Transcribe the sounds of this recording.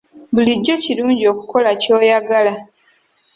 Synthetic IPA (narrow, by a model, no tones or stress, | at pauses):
buliɟːo̞ciluːɲɟio̞kuko̞laco̞ːjaɡala